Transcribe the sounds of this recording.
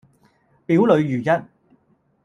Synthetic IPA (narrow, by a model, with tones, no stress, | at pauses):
piː˨˥wlɵ˨˧ɥjyː˨˩jɐ˥t̚